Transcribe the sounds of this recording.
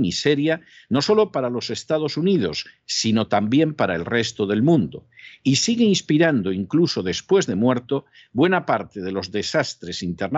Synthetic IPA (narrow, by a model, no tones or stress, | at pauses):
mise̞ɾjano̞so̞lo̞paɾalo̞se̞st̪að̞o̞suniðo̞sː | ino̞t̪ambje̞mpaɾaelre̞st̪o̞ðe̞lmũnd̪o̰isiɣeinspiɾand̪o̞iŋkluso̞ðe̞spwe̞zðe̞mwe̞ɾt̪o | bwe̞napaɾt̪e̞ðelo̞zðe̞sast̪ɾe̞sint̪eɾn